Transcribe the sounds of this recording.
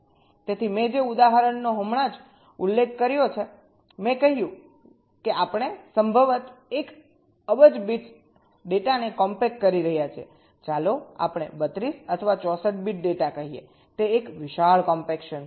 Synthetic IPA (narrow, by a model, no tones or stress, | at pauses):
t̪et̪ʰimẽd͡ʒeud̪aɦəɾəɳːoɦəmɭad͡ʒ | ulːekʰːəɾjot͡ʃʰe | mẽkəɦijũ | keapɳ̃esəmbʱəʋət̪ek | əbəd͡ʒbiʈ | ɖeʈanekɔmpekːəɾiɾəɦjat͡ʃʰiḛ | t͡ʃaloa̰pɳ̃ebət̪ɾisət̪ʰəʋat͡ʃɔsəʈ̚biʈ̚ɖeʈakəɦijḛ | t̪eːkʋɪʃaɭkɔmpekʃən